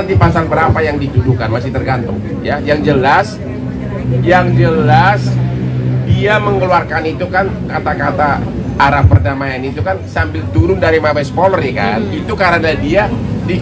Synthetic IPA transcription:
ant̪ipasanbəɾapajaŋdit̪udukanmasɪht̪ərɡant̪ʊŋ | jajaŋd͡ʒəlas | jaŋd͡ʒəlas | diaməŋəluarkanit̪ukankat̪akat̪a | ʔːɾapːərdamajanit̪ukansambɪlt̪uɾʊndaɾimabajsə̥polərɲɛka̰nit̪ukaɾənadiadi

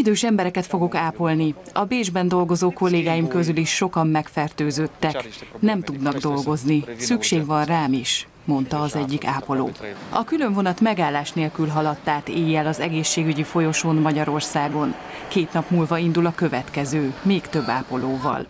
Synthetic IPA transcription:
id̪øːʃɛmbɛɾɛkɛt̪fo̞ɡo̞kaːpo̞lniɒbeːʒbɛnd̪o̞lɡo̞zoːko̞lːeːɡaːjimkø̞zyliʃːo̞kɒmːɛkfɛrt̪øːzøːt̪ːɛknɛmt̪ud̪nɒɡd̪o̞lɡo̞znisykʃeːɡʋɒnraːmiʃ | mo̞nt̪ɒːzɛɟːikaːpo̞lo̰ːɒkylø̞ɱvo̞nɒt̪mɛɡaːlːaːʃneːlkylɦɒlɒt̪ːaːt̪eːjːɛlɒzɛɡeːʃːeːɡyɟifo̞jo̞ʃoːnmɒɟɒɾo̞rsaːɡo̞n | keːt̪nɒpmuːlvɒind̪ulɒkø̞vɛt̪kɛzøːmeːkt̪ø̞bːa̰ːpo̞loːvɒ̰l

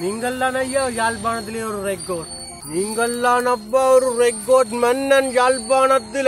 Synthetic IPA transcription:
niːŋɡɐɭːaːnɐjːaːjaːlbaːnɐt̪̬ːɪleːɔɾɯɾekːoːʈ | niːŋɡɐɭːaːnɐpːaːɔɾɯɾekːoːʈmɐnːɐnjaːlbaːnɐt̪ːɪl

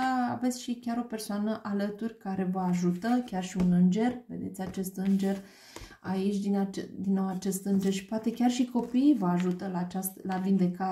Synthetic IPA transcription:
a̰ve̞t̪sʲʃikʲaɾo̞pe̞rsoanəʔalət̪urʲkaɾe̞vəaʒut̪əkʲarʃiunɨnd͡ʒe̞rve̞̰d̪e̞t̪sʲat͡ʃe̞st̪ɨnd͡ʒe̞r | ait͡ʃʲd̪inad̪inːowat͡ʃe̞st̪ɨnd͡ʒe̞rʃi̥poat̪e̞kʲarʃiko̞piːvəaʒut̪əlaːt͡ʃast̪əlavind̪e̞ka

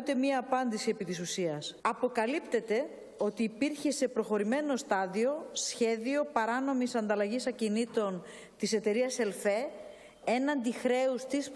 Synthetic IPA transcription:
t̪e̞mɲɐːpɐnd̪isiepit̪isusiɐsɐpo̞kɐlipt̪e̞t̪e̞ | o̞t̪iːpiɾçe̞se̞pɾo̞xo̞ɾime̞no̞st̪ɐðio̞sçe̞ðio̞pɐɾɐno̞misɐnd̪ɐlɐʝisɐcinit̪o̞n | t̪ise̞t̪e̞ɾiɐse̞lfe̞ | e̞nɐnd̪ixɾe̞ust̪is

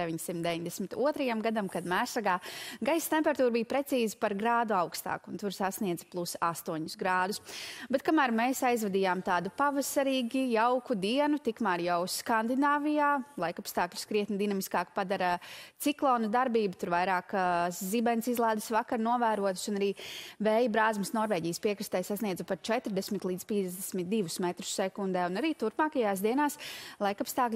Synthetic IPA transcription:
eʋiɲsimt̪̚d̪eviɲd̪esmɪt̪uɔt̪ɾɐjamɡad̪amkad̪mæːsaɡaːɡajst̪empɛɾat̪uːɾbijpɾet̪siːzipaɾɡɾaːd̪uaʊkst̪a̰ːkunt̪uɾsasniɛd̪zplˠusast̪uɔɲusɡɾaːd̪usbɛt̪̚kamæːɾmeːsajzvɛd̪iːjaːmt̪aːd̪upavɐsaɾiːɡijawkud̪iɛnut̪ikmaːɾjawskand̪inaːvijaːlˠajkapst̪aːkʎʲu̥skɾiɛt̪nd̪inamiskaːkpad̪aɾat̪siklˠɔːnud̪aɾbiːbut̪uɾvajɾaːkszibɛnsizlˠaːd̪əsvakaɾnuɔvæːɾuɔt̪sunaɾiːvɛːjbɾaːzmɐsnɔɾvɛːɟiːjəspiɛkɾist̪ɛjsasniɛzupaɾt͡ʃɛt̪ɾd̪ɛsmit̪lˠiːd̪piɛzd̪ɛsmit̪̚d̪iʋusmɛt̪ɾu̥sːɛkund̪ɛːunaɾiːt̪uɾpmaːkajaːsd̪iɛnaːslˠajkapst̪aːklʲ

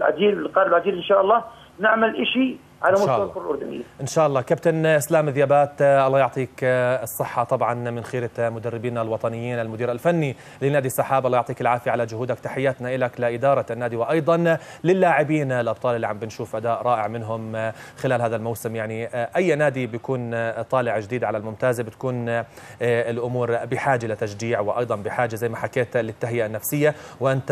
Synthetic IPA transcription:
lʕa̰d͡ʒ̪iːlɪlqɑɾblʕad͡ʒiːlɪnʃaːʔɑlˤːɑː | nɪʕmalʔɪʃi | ʕalaʊalkʊɾalʔʊɾd̪ʊnɪ̰jːaʔɪnʃaːʔɑlˤːɑːkabt̪anʔslaːmɪðjaːbaːt̪ʔɑlːˤɑːjʊʕt̪ˤiːkɨsˤːɨħːɑt̪ˤɑbʕɑnmɪnxeːɾɪmʊd̪arːɪbiːnalwɑt̪ˤɑnɪjːiːnalmʊd̪iːɾalfanːi | lɪnaːd̪isˤːɑħaːbɑlːˤjʊʕt̪ˤiːkɪlʕaːfiʕalad͡ʒʊhuːd̪akt̪aħɪjːaːt̪naʔɪlaklɪʔɪd̪ɑːɾˤɑnːaːd̪iwɪʔɑjd̪ˤɑn | lɪlːaːʕɪbiːnalʔɑb̚t̪ˤɑːlʔɪlːiʕambɪnʃuːfʔad̪aːʔɾˤɑːʔɪʕmɪnɦʊmxɪlaːlɦhaːðalmawsɪmjaʕniʔajːnaːd̪ibjakuːnt̪ˤɑːlɪʕd͡ʒd̪iːd̪ʕalalmʊmt̪aːzbɪt̪kuːn | ɪlʔʊmuːɾbɪħaːd͡ʒaʔlat̪aʃd͡ʒiːʕwɪʔɑ̰jd̪ˤɑnbɪħaːd͡ʒazajːmaħakeːt̪lɪt̪ːaɦɪjanːafsɪjːawɪʔɪnt̪

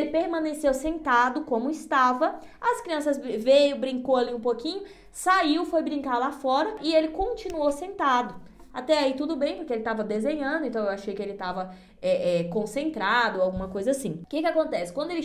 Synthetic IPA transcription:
elɪpeɾmɐ̃nesewsẽnt̪ad̪ʊkõmʊɪst̪avɐ | ɐskɾiɐ̃sɐzvejʊbɾĩŋkowaliũpokĩɲʊ | saiwfojbɾĩŋkaɾlafɔɾɐʔɪelɪkõt͡ʃinuosẽnt̪ad̪ʊ | at̪ɛait̪ud̪ʊbẽj̃pʊɾkeelɪt̪avɐd̪ezẽɲɐ̃nd̪ʊẽnt̪ɐ̃w̃ewaʃejkɪelɪt̪avɐ | ɛʔɛkõsẽnt̪ɾad̪ʊawɡũmɐkojzɐasĩkɪkɪakõnt̪ɛsɪkwɐ̃nd̪ʊelɪ

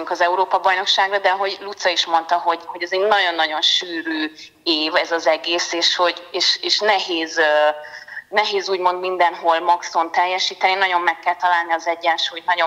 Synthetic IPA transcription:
uŋkɒzɛuɾoːpɒbɒjno̞kʃaːɡrɒd̪ɛɒɦo̞ɟlut̪sɒiʃmo̞nt̪ɒɦo̞ɟho̞ɟɛzeɟnɒɟo̞nːɒɟo̞nʃyːɾøː | eːvɛzɒzɛɡeːseːʃho̞ɟeːʃeːʃnɛɦeːzø | nɛɦeːzuːɟmo̞nd̪mind̪ɛnɦo̞lmɒkso̞nt̪ɛjːɛʃiːt̪ɛninɒɟo̞mːɛkːɛlt̪ɒlaːlniɒzɛɟːɛnʃuːjt̪nɒɟo

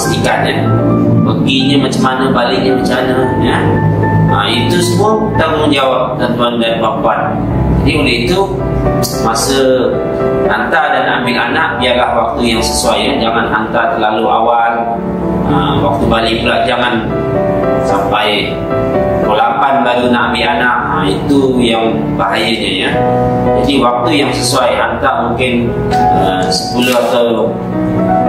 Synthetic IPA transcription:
sət̪ikat̪̚ɲa | pəɡiɲəmat͡ʃamanəbaliʔɲəmat͡ʃamanə | jə | əmit̪usəmʊ | t̪aŋuŋd͡ʒawap̚t̪ənt̪uandanbapuat̪̚ | d͡ʒadiolɪɦit̪u | masə | hant̪adanambɪkanaʔbiarlahwak̚t̪ujaŋsəsuajəd͡ʒaŋanɦant̪at̪ərlaluʔa̰wal | ʔəwak̚t̪ubalipulaʔ̚d͡ʒaŋan | sampaj | kolapanbaɡunambɪlanaʔəit̪ujaŋ | baɦajəɲəjəd͡ʒadiwak̚t̪ujaŋsəsuajɦant̪amuŋkɪn | ə | sə̥kulɔhat̪aw

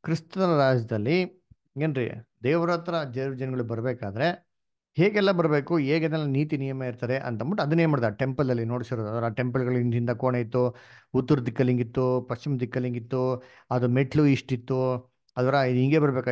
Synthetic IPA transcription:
kɾist̪ɐɐɾaːd͡ʒɐd̪ɐlːi | eːnɾḭd̪eːʋɾɐːt̪ɾɐd͡ʒeɾʋɐd͡ʒɐnɐɡɐɭubɐɾbeːkaːd̪ɐɾe̞ | heːɡɛlːɐbɐɾbeːkueːɡed̪ɛlːɐniːt̪inijɐmɐiɾt̪aːɾeʔɐ̰nt̪ɐmbɐʈːɐd̪unemaːɽd̪aʈempɐld̪ɐlːino̞ːɽisiɾoːd̪ɐd̪ʋɐɾɐʈe̞mpɐlɡɐɭinind̪ɐkoːɳeit̪ːuut̪ːuɾd̪ikːɐliŋɡit̪ːupɐɕt͡ʃimd̪ikːɐliŋɡit̪ːu | ɐd̪umeʈʰluiʂʈit̪ːu | ɐd̪ʋɐːɾɐiɦiŋɡebɐɾɐbeːka

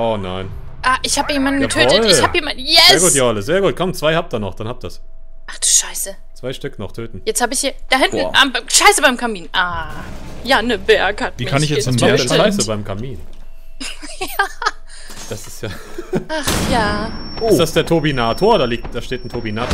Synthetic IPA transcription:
ʔoːnaɪn | ʔaːʔɪçhaːbəjeːmandn̩ɡətʰøːtəɪçhaːbbhiɐmajɛːɐɡuːtjaːaləsz̥eːɐɡuːt̚kʰɔmt͡sv̥aɪhap̚tdiːɐnɔχd̥anhap̚td̥as | ʔaχd̥u̥ːʃaɪsə | t͡sv̥aɪʃtʏknɔχtʰøːtn̩jɛt͡sthaːbəɪçhiːɐd̥ahɪntn̩ʔamʃaɪsəbaɪmkʰamiːnʔaː | jaːnəveːɐkʰatmviɪkʰaɪçaɛʃaɪsəbaɪmkʰamiːn | ja | d̥asɪstjaː | aχjaːɪtd̥asd̥eːɐtʰoːbinaːtʰoːɐdaːliːk̚td̥aːʃteːtn̩tʰobinaːt

